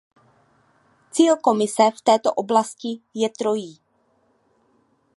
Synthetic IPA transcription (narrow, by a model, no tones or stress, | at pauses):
t͡siːlko̞mɪsɛft̪ɛːt̪o̰ʔoblascɪjɛt̪ɾo̞jiː